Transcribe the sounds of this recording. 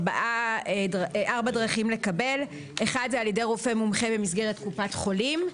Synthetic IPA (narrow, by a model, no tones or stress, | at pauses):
ba̰ʔadʁʔaʁbadʁaχimle̞kabe̞l | ʔeχad̪zɛaljede̞jʁofe̞mumχe̞bemisɡe̞ʁet̚kupatχo̞lim